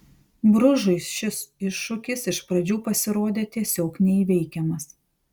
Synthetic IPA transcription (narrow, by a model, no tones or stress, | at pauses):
bɾʊʒʊɪsʃʲɪsɪʃːʊkʲɪsɪʃpɾɐd͡ʒʲuːpɐsʲɪɾoːd̪ʲeːt̪ʲiɛsʲoːknʲɛiʋʲɛɪkʲɛmɐs